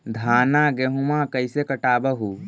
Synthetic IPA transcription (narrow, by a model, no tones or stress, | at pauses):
d̪ʱanaɡeɦumakəjsekəʈabəɦu